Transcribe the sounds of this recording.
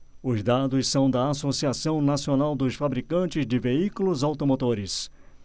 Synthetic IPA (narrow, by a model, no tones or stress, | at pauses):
ʊzd̪ad̪ʊssɐ̃w̃d̪ɐasosiasɐ̃w̃nasionawd̪ʊsfabɾikɐ̃t͡ʃɪzd͡ʒɪveikulʊzawt̪omot̪oɾɪs